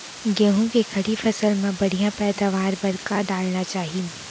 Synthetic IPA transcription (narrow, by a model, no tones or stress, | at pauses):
ɡɐ̃ɦũd͡ʑekʰɐɽifɐsəlmãbɐɽ̤ʱijãpɛːd̪aʋaːɾbɐɾkaɗaːlɽ̃at͡ɕaːɦijũ